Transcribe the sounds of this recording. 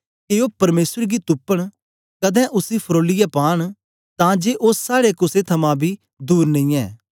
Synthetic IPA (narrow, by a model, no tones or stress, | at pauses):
keoːpɐɾmeːsəɾɡit̪ʊpːəɽ̃ | kɐd̪ɛ̃ːʔʊsipʰɾoːlɪjɛpaːɽ̃ | t̪ãd͡ʒeːʔosːaːɽekʊset̪ʰɐmãbʱi | d̪uːɾnɐ̃ĩːɛː